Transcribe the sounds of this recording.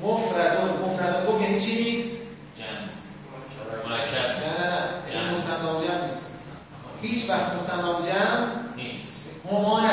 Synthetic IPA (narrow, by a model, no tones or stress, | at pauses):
mofɾæd̪omofɾæd̪oɡofjanit͡ʃʰiniːst̪ | d͡ʒæ̰mnist̪ | æːænæjanimosænɡɒːmd͡ʒæmniːst̪ | hiːt͡ʃʰvæxt̪mosælːɒːmd͡ʒæmnemi | homɒːnæ